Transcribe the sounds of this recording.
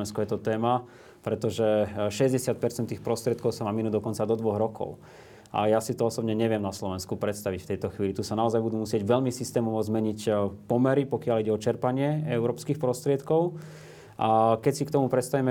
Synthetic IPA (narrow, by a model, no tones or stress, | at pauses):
ɛnskɔjɛt̪ɔt̪ɛːma | pɾɛt̪ɔʒɛʃɛzɟɛsɪat̪̚pɛɾt͡sɛnt̪ːiːxpɾɔst̪ɾɪɛt̪kɔʊsamaminuːd̪ɔkɔnt͡sad̪ɔd̪ʋɔɣɾɔkʰɔ̰ʊ | ʔa̰jasit̪ɔɔsɔbɲɛɲɛʋɪɛmnaslɔʋɛnskupɾɛt̪st̪aʋicft̪ɛjt̪ɔxʋiːlit̪usanaɔzajbud̪uːmusɪɛɟʋɛʎmisist̪ɛːmɔʋɔzmɛɲicpɔmɛɾipɔkɪaliɟɛɔt͡ʃɛɾpaɲɪɛɛʊɾɔːpskixpɾɔst̪ɾɪɛt̪kɔʊ | ʔakɛcsikt̪ɔmupɾɛt̪st̪aʋimɛ